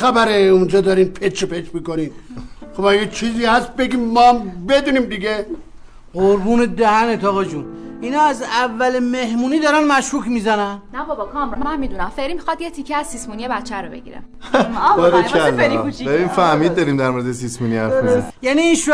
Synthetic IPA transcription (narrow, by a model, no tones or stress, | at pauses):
xæbæɾeund͡ʒɒːd̪ɒɾimpʰekʰɾepʰekɾmiːkoninxobæɡæt͡ʃʰiːziːhæst̪̚be̞ɡiːmːɒmbe̞d̪uniːmd̪iɡe | ɢoɾbuːned̪æɦænet̪ʰɒːɣɒd͡ʒuninɒːæzævːælemehmuːniːd̪ɒɾænmæʃɾuːkʰmizænænnæbɒbɒkʰɒmɾɔmmæmmid̪unæmfeɾimixɒd̪jet̪ʰikʰːeæz̥sismunijebæt̪t͡ʃʰːæɾobe̞̰ɟḭɾḛm | ɔɾeæɾkut͡ʃibeɾimfæhmiːd̪̚dːɒɾimd̪æɾmoɾed̪esismuniæjæniːnʃ